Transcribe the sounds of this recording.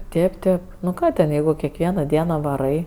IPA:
ˈtʲeːp ˈtʲeːp nʊ ˈkɑː tʲɛn ˈjɛɪɡʊ kʲɛkˈʋʲiɛnɐ ˈdʲiɛnɐ ʋɐˈrɐɪ

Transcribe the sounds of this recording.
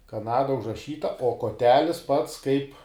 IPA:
kɐˈnɑːdɐ ʊʒrɐˈʃʲiːtɐ oː koːˈtʲæːlʲɪs pɐts kɐɪp

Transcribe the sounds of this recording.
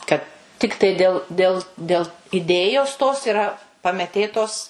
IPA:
kɐt ˈtʲɪktɐɪ ˈdʲeːlˠ ˈdʲeːlˠ ˈdʲeːlˠ ɪˈdʲeːjoːs toːs ɪˈrɐ pɐmʲɛˈtʲeːtoːs

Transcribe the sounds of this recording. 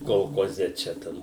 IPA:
koːlˠkoːˈzʲɛ ˈt͡ʃʲɛ ˈtɐm

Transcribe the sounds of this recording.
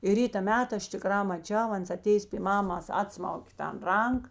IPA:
ɪ ˈrʲiːtɐ ˈmʲæːtɐ ˈɐʃ tʲɪˈkrɑː mɐˈt͡ʃʲɛʊ ˈɐns ɐˈtʲeːjeːs pʲiː ˈmɑːmɐs ˈɑːtsmɐʊkʲeː tɐn ˈrɐŋk

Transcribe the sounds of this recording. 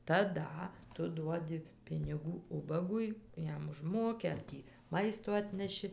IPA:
tɐˈdɐ ˈtʊ ˈduɔdʲɪ pʲɪnʲɪˈɡuː ˈʊbɐɡʊɪ ˈjɛm ʊʒˈmoːkʲɪ ɐr ˈtʲiː ˈmɐɪstoː ˈɑːtʲnʲɛʃʲɪ

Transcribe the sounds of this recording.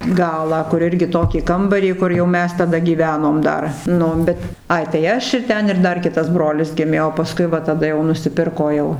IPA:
ˈɡɑːlˠɑː kʊr ˈɪrʲɡʲɪ ˈtoːkʲiː ˈkɐmbɐrʲiː ˈkʊr jɛʊ ˈmʲɛs tɐˈdɐ ɡʲiːˈʋʲæːnoːm ˈdɐr ˈnʊ bʲɛt ˈɐɪ tɐɪ ˈɐʃ ɪr ˈtʲɛn ɪr ˈdɐr ˈkʲɪtɐs ˈbroːlʲɪs ˈɡʲɪmʲeː oː pɐˈskʊɪ ˈʋɐ tɐˈdɐ jɛʊ nʊsʲɪˈpʲɪrkoː jɛʊ

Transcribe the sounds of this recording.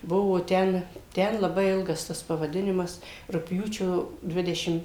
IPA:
ˈbʊʋoː ˈtʲɛn ˈtʲɛn lˠɐˈbɐɪ ˈɪlˠɡɐs ˈtɐs pɐʋɐˈdʲɪnʲɪmɐs rʊkˈpʲjuːt͡ʃʲoː ˈdʲʋʲɪdʲɛʃʲɪm

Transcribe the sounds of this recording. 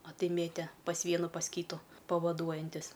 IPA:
ɐ ˈtɐɪ ˈmʲeːtʲeː pɐs ˈʋʲiɛnʊ pɐs ˈkʲiːtʊ pɐʋɐˈduɔjɛnʲtʲɪsʲ

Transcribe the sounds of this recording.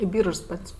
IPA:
ɪ ˈbʲiːrʃs ˈpɐtʲsʲ

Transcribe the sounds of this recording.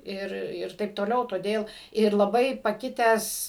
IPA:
ˈɪr ˈɪr ˈtɐɪp toːˈlʲɛʊ toːˈdʲeːlˠ ɪr lˠɐˈbɐɪ pɐˈkʲɪtʲæːs

